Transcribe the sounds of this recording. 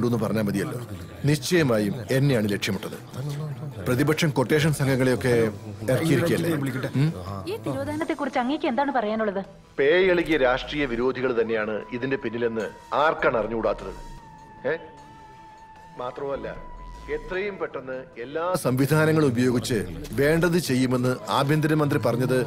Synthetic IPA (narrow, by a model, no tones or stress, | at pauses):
ɖuo̞nːupɐrɐɲːaːmbɐd̪ijɐlːo̞ː | niɕt͡ɕːɐjɐmaːjume̞nːejaːɳɨle̞kʂjɐmuʈːɐðɨ̰ | prɐðibɐkʂɐmkorʈːe̞ːʂ̬ɐnsɐŋɡʱɐŋːɐɭejo̞kːe̞erɐːijiikʲːiɐlːe | iːt̪iɾoːd̪ʱaːɐnɐt̪ːekurit͡ɕːɐŋːekʲːɨe̞nd̪aːɳɨpɐrɐjaːnuɭːɐðɨ | peːjɐɭiɣijɐɾaːʂʈriːjɐʋiɾoːd̪ʱiɣɐɭt̪ɐnːe̞jaːɳɨiðinde̞pinːilenːɨaːrkaɳɐrɐɲːukuːɽaːt̪ːɐðɨ̰ | e | maːt̪rɐʋumɐlːɐ̰et̪rɐjumpe̞ʈːenːɨe̞lːaːsɐmʋid̪ʱaːnɐŋːɐɭubɐjo̞ːɡit͡ɕːɨʋe̞ːɳɖɐðɨt͡ɕe̞jːume̞nːɨaːbʱjɐnd̪ɐɾɐmɐnd̪ripɐrɐɲːɐðɨ